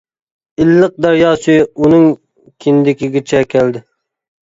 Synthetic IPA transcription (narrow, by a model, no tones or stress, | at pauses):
ɪlːɨq̚d̪æɾjɑːsɨunɨŋ | kʲʰɪnd̪ɪkʲiɡʲɪt͡ʃʰɛkʲʰæld̪ɪ